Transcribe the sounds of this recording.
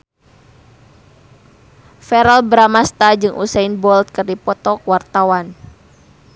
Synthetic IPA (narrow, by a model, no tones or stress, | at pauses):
fɛɾalbɾamast̪ad͡ʒɨŋʔṵsɛinbɔlt̪̚kɨrdipɔt̪ɔkwart̪awan